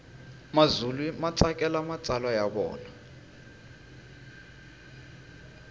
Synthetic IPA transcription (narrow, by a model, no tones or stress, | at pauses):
mazulimat͡sakʼɛlamat͡sʼalwajaɓɔ̰ːna